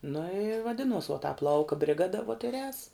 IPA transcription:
nʊ ɪ ʋɐˈdʲɪnuɔs ʋuɔ tɑːp ˈlˠɐʊkɐ bʲrʲɪˈɡɑːdɐ ʋuɔt ɪr ɛːs

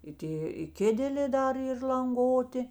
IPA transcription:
ɪ ˈtʲeː ɪ ˈkʲeːdʲɛlʲeː ˈdɐr ˈiːr lˠɐŋˈɡoːtʲɪ

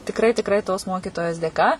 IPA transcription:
tʲɪkˈrɐɪ tʲɪkˈrɐɪ toːs ˈmoːkʲiːtoːjoːs dʲeːˈkɐ

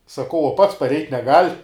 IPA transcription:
sɐˈkɐʊ uɔ ˈpɐts pɐrʲˈɛɪtʲ nʲɛˈɡɐlʲ

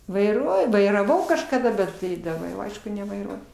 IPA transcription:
ʋɐɪˈruɔjʊ ʋɐɪrɐˈʋɐʊ kɐʃkɐˈdɐ ˈbʲɛt tɐɪ dɐˈbɐ jɛʊ ˈɐɪʃkʊ nʲɛʋɐɪˈruɔjʊ

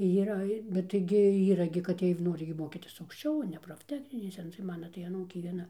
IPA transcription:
iːˈrɐ bʲɛt tɐɪˈɡʲɪ ˈiːrɐ ɡʲɪ kɐt ˈjiɛj ˈnoːrʲɪ ɡʲɪ ˈmoːkʲiːtʲɪs ɐʊkʃʲˈt͡ʃʲɛʊ oː nʲɛ proːfʲˈtʲæːxʲnʲɪnʲeːsʲɛ tɐɪ ˈmɑːnɐ tɐɪ ɐˈnuːkʲeː ʋʲiɛˈnɐ

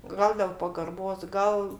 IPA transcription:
ˈɡɐlˠ dʲɛlˠ pɐɡɐrˈboːs ˈɡɐlˠ

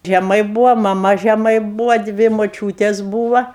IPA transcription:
ʒʲɛˈmɐɪ ˈbuːʋɐ mɐˈmɐ ʒʲɛˈmɐɪ ˈbuːʋɐ ˈdʲʋʲɪ moːˈt͡ʃʲuːtʲeːs ˈbuːʋɐ

